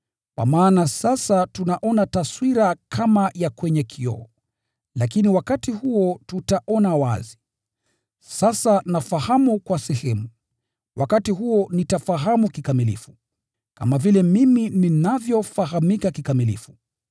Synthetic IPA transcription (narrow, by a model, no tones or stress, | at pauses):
kwa̰maːnasasatunaʔɔnataswiɾakʰamajakwɛɲɛkʰiɔ̰ɔ | lakiniwakatihuɔtutaʔɔnawa̰zi | sasanafahamukwasɛhɛmu | wʔa̰katiɦuɔnitafaɦamukikamilḭfu̥ | kamavilɛmimininavjɔfaɦamikakikamilḭfu